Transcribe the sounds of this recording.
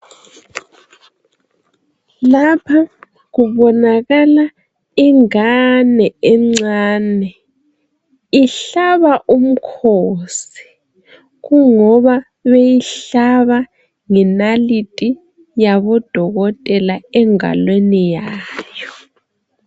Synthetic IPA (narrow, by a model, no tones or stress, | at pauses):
lapʰa | ɣuβɔnaɣala | iŋanɛɛŋ͡ǀaːnɛ | iɬaβaʔum̩kʰosi̥ | ɣuŋɔβa | βejiɬaβa | ŋɛnalitʼi | jaβɔd̥ʱɔɣɔtʼɛlaɛŋa̰lwenijaːjɔ